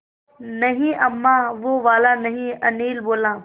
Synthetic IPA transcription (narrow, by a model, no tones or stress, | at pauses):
nɐɦĩʔɐmːaʋoʋaːlanɐɦĩɐniːlboːlãː